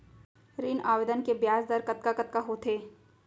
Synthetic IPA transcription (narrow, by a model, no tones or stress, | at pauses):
ɾiːnaːʋed̪ənkebjaːsd̪əɾkɐt̪̚kakɐt̪kaɦoːt̪ʰeː